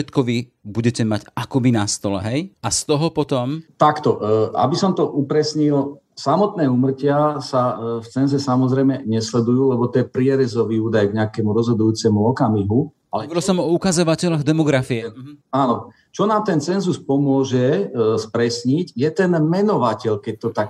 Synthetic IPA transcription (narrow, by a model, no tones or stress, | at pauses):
ɛt̪kɔʋi | buɟɛcɛmaɟakɔbinast̪ɔlɛ̰ɦɛjast̪ɔɦɔpɔt̪ɔmt̪akt̪ɔʔʔa̰bisɔmt̪ɔʔupɾɛsɲil | samɔt̪nɛːuːmr̩cɪasaft͡sɛnzɛsamɔzɾɛjmɛɲɛslɛd̪ujuːlɛbɔt̪ɔjɛpɾɪɛɾɛzɔʋiuːd̪ajɡɲɛakɛmuɾɔzɦɔd̪ujuːt͡sɛmuɔkamiɦu | alɛʋɾilsɔmɔukazɔʋacɛʎɔɣd̪ɛmɔɡɾafiɛɦaːnɔ | t͡ʃɔnaːmt̪ɛnt͡sɛnzuspɔmʊɔʒɛspɾɛsɲiɟjɛt̪ɛnmɛnɔʋacɛʎkɛc̚t̪ɔt̪ak